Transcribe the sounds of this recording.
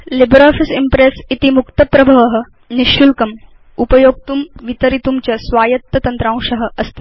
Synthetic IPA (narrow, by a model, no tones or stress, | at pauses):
libɾaːfisimpɾesit̪imukt̪ɐpɾɐbʱɐʋɐɦɐ̆ | niʃjulkɐm | upɐjoːɡ̚t̪umʋit̪ɐɾit̪umt͡ɕɐsʋaːjɐt̪ːɐt̪ɐnt̪ɾãːw̃ʂɐɦə̆ɐst̪i